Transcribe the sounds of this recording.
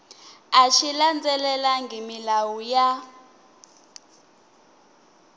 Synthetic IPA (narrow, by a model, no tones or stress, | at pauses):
at͡ʃʰiland͡zɛlɛlaŋɡʱimilawuja